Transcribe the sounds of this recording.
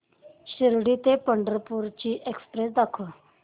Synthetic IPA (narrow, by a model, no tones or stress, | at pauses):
ɕəɾɽit̪epəɳɖəɾpuɾt͡ɕiʔekspɾesd̪akʰo